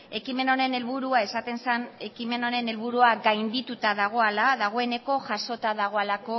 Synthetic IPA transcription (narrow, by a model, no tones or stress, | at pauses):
e̞kime̞no̞ne̞ne̞lβuɾuae̞sat̪e̞nsane̞kime̞no̞ɾe̞ne̞lβuɾuaɡajnd̪it̪ut̪aðaɣ̞o̞alaðaɣ̞o̞e̞ne̞ko̞ʝaso̞t̪aðaɣ̞o̞alako̞